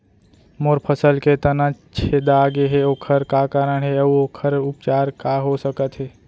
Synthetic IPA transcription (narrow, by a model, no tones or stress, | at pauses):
moːɾpʰəsəlket̪ənat͡ʃʰed̪aɡeɦeoːkʰəɾkakaːɾəɳɦɛəuoːkʰəɾʊp̚t͡ʃaːɾkaɦosəkət̪ɦɛː